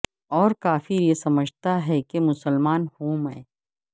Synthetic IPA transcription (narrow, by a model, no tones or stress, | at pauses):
ɔːɾkaːfiɾjesɐməd͡ʒʱt̪aɦɛkemʊsəlmaːnhoːmɛː